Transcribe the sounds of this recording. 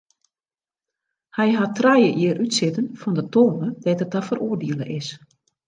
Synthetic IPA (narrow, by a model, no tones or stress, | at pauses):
hɛjɦatrajəʔiəɾʔytsɪtənfɔndətoːnədɛjtətafərʔoːərdiələʔɪs